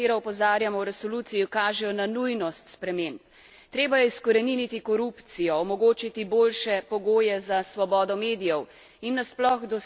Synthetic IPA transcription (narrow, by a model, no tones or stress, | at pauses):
eːɾɔɔpɔzaːɾjamɔwɾɛsɔlut̪sijikaːʒɛjɔnanujnɔst̪spɾɛmemp | t̪ɾeːbajɛiskɔɾɛninit̪ikɔɾupt̪sijɔɔmɔɡoːt͡ʃit̪ibolʃɛpɔɡoːjɛzasʋɔbɔːd̪ɔmeːd̪ijɔw | inːasplɔɣd̪ɔ